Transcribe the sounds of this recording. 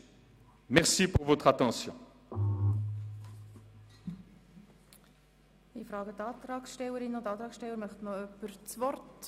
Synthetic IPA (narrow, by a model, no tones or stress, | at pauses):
mɛʁsipuʁvot̪χat̪ɑ̃sjɔ̰̃ | ifɾɑːɡət̪ɑːt̪ɾɑːksʃtɛwəɾɪnot̪ɑːt̪ɾɑːksʃtɛwəɾmœχt̪məœpːəɾt͡svɔrt